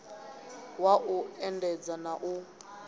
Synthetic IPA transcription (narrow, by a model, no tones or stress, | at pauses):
waʔuɛndɛd͡zanaʔu